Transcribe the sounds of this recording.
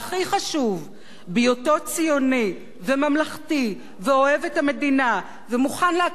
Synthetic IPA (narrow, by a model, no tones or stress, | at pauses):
aχiχaʃuv | bijoto̞t͡sijo̞ni | vemamlaχti | veo̞evethame̞dina | vemuχanlea